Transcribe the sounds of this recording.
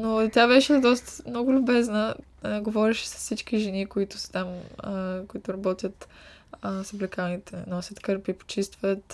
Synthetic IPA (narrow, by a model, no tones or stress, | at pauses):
not̪ʲabɛʃɛd̪ɔst̪ə̥mnɔɡʊlʲʊbɛznə | ɡovɔɾɛʃɛ̥sɐ̥ssit͡ʃkiʒɛnikoit̪ʊ̥sə̥t̪am | koit̪ʊɾɐbɔt̪ʲjət̪ | sɐblɛkanit̪ɛnɔsʲjət̪kɤɾpipo̥t͡ʃist̪vət̪